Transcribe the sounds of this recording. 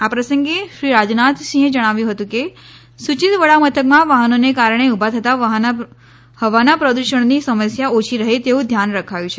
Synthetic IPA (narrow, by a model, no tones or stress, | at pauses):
apɾəsəŋɡeʃɾiɾad͡ʒnat̪sĩed͡ʒəɽ̃aʋjũɦət̪ũke | sut͡ʃit̪ʋəɭamət̪ʰəkmãʋaɦənonekaɾɳ̃eubʱat̪ʰət̪aʋɦn | həʋanapɾəd̪uʃəɳ̃nisəməsjaot͡ʃʰiɾəɦet̪eũd̪ʱjanɾəkʰajũt͡ʃʰe